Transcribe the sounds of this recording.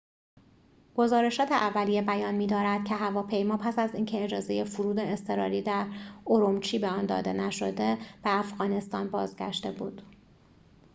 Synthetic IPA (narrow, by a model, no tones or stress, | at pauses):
ɡ̥o̞zɒːɾe̞ʃɒːt̪ʰeʔævːælijebæjɒːnmiːd̪ɒːɾæd̪̥cʰe̞ɦævɒːpʰe̞jmɒːpʰæsæziːncʰe̞ːd͡ʒɒːze̞je̞fuɾuːd̪eːst̪ʰe̞ɾɒ̰ːɾiːd̪æɾoɾomt͡ʃʰiːbeɒnd̪ɒ̰ːd̪e̞næʃod̪e̞b̥e̞æfɣɒːne̞st̪ɒ̰ːnbɒ̰ːzɟæ̰ʃt̪e̞bṵːd̪̥